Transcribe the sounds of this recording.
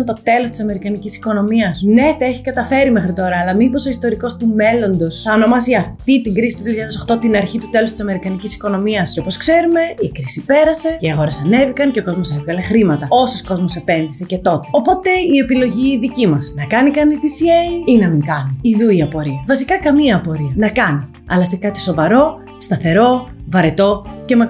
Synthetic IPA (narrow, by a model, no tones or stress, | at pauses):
nt̪o̞t̪e̞lost̪i̥sɐme̞ɾikɐnicisi̥ko̞no̞miɐsne̞t̪eçi̥kɐt̪ɐfe̞ɾimexɾit̪o̞ɾɐːlɐmipo̞so̞ist̪o̞ɾiko̞st̪ume̞lo̞nd̪o̞sɐno̞mɐziɐft̪it̪iŋɡɾisit̪uðioçeaaðesoxt̪o̞t̪inɐɾçit̪ut̪e̞lo̞st̪isɐme̞ɾikɐnicisi̥ko̞no̞miɐsco̞po̞skse̞ɾume̞ikɾisipe̞ɾɐse̞ceiɐɣo̞ɾe̞sɐne̞vikɐnce̞oko̞zmo̞se̞vɣɐle̞xɾimɐt̪ɐo̞so̞sko̞zmo̞se̞pe̞nðise̞ce̞t̪o̞t̪e̞o̞po̞t̪e̞ie̞pilo̞ʝiðicimɐsnɐkɐnikɐnist̪isieiinɐmiŋkɐniiðuiɐpo̞ɾiɐvɐsikɐkɐmiɐːpo̞ɾiɐnɐkɐni | ɐ̰lɐsekɐt̪i̥so̞vɐɾo̞ | st̪ɐθe̞ɾo̞vɐɾe̞t̪o̞cemɐ